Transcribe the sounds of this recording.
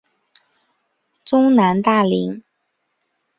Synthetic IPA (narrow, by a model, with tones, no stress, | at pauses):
ʈ͡ʂʊ˥ŋna˧˥nt̪a˥˩li˧˥ŋ